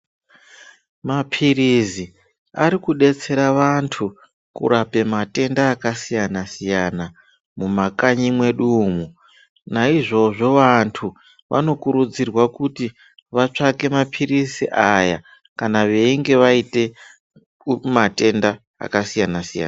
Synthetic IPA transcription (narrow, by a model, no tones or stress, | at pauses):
mapʰirizi | aɾikuɗe̞t͡se̞ɾaʋantʰu | kṵɾape̞mate̞ndaːkasijanasijana | mumakaɲimwe̞ɗuːmu | naiʐo̞ʐo̞ʋantʰu | ʋʔa̰no̞kuɾud͡zirwakuti | ʋat͡ʂake̞mapʰirisiʔaja | kanaʋe̞iŋɡe̞ʋaite̞ | mate̞nda | a̰kasijanasija̰ːna